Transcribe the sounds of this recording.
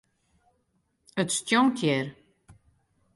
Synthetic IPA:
ətstjɔŋtʰjɛr

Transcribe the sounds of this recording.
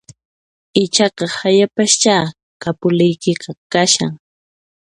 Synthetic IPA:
ɪt͡ʃɑqɑhajapaʃt͡ʃaː | kapʊlɪjkɪqɑkaʃa̰ŋ

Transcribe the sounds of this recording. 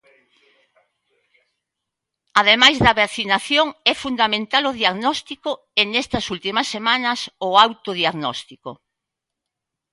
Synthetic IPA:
aðemajzðɐβaθinaθjoŋɛfund̪amẽnt̪alʊðiaɣnɔst̪ikʊ | eŋɛst̪ɐsult̪imɐsːemanɐsʊawt̪oðiaɣnɔ̰st̪iko

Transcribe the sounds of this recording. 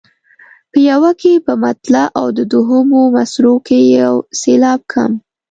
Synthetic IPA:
pəjawakepəmat̪laʔawd̪əd̪oɦəmomasɾokejawselɑb̚kʰa̰m

